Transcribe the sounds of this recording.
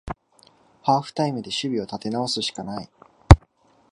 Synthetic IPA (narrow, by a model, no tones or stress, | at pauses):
haːɸɯ̟̥t̪aimɯ̟d̪e̞ɕɨbʲio̞t̪at̪e̞nao̞sɨɕi̥kanai